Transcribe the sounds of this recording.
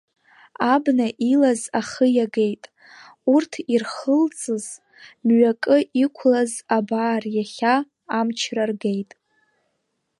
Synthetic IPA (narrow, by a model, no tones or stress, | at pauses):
abnaʔilazaχəjaɡe̞jtʼ | urtʰirχəlt͡sʼɨz | mɥakʼɨʔikʷʰlazabaːrjaχʲaː | mt͡ʃʰrarɡejtʼ